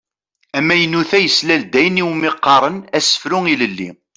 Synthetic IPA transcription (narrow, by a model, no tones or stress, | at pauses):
æmːæjənːuθæjəslæld̪æjəniwmɪqːɑɾˤənæsə̥fɾʊŋiləlːḭ